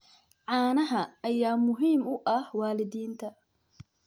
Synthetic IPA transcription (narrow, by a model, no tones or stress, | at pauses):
ʕɑːnɐɦɐːjaːmʊɦiːmʊʔɐhwaːlɪðiːnt̪ʰɐ